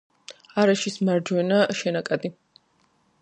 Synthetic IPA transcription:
aɾaʃismaɾd͡ʒwɛnaʃɛnakʼad̪i

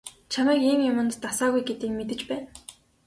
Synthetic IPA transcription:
t͡ɕʰamæːkiːmjʊmə̆nt̪ːasaːɣujɡet̪ĭːk̚met̪ɘ̆t͡ɕpæːn

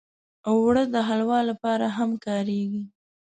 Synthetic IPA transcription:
awːɽəd̪əɦalwɑlːapɑɾaɦamkɑɾeɡi

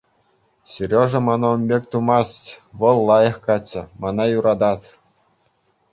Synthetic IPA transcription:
ɕerʲoʐɤ̆mɑnomʲbʲekʲt̪umɑstʲʋɤ̆lˠːɑjɤ̆χkɑt͡ɕːɘ̆mɑnɑjuɾɑd̪ɑt̪

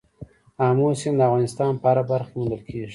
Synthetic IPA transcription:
amosɪmd̪əafɣɑnɪst̪ɑnpaɾabaɾxmund̪əlkʰeʒi

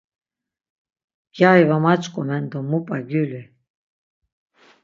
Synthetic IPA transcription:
jajvamat͡ʃʼkʼɔmɛnd̪ɔmːupʼaɡyli

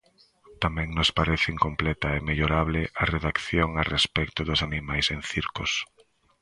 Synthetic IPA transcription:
t̪amɛ̃ŋnospaɾeθɪiŋkomplɛt̪ɐemeʎoɾaβlɪʔareðakθjoŋarespɛkt̪ʊðʊsanimajsẽnθiɾkʊs

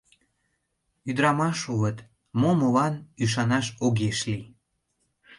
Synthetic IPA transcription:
yd̪ɾɑmɑʃuβət̪ | momolɑnyʃ̬ɑnɑʃoɣeʃli

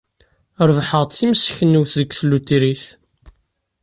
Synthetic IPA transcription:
ɾˤvħəʁt̪θiməsːçənːuwθðəkθlut̪ːiɾiθ

